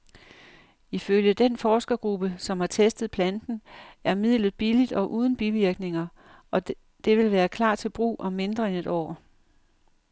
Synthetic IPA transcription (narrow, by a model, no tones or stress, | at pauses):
iføljəd̥enfɒːsɡ̥ɐɡ̥ʁub̥əsɒ̽mhɑ̈t͡sʰesd̥ð̩ˠpʰlænd̥n̩æɐmið̰ˠlð̞̩ˠb̥ilid̥ɒ̽ʔuːð̞ˠn̩b̥iʋiɐɡ̥ne̝ŋɐ | ʔɒ̽ | d̥e̝ʋe̝lʋæːɐkʰlɑ̰̈ːt͡sʰe̝lb̥ʁṵːʔɒ̽mːe̝nd̥ʁɐene̝d̥ɒ̰ː